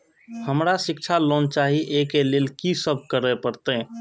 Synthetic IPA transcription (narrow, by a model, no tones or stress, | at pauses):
həmɾasɪk̚t͡ʃʰaloːnt͡ʃaːɦiʔekeleːlkisəb̚ʱkəɾepəɾt̪e